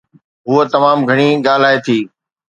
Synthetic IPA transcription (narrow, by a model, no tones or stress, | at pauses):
ɦʊot̪ɐmaːmɡʱɐɽ̃iɠaːl̤aːet̪ʰiː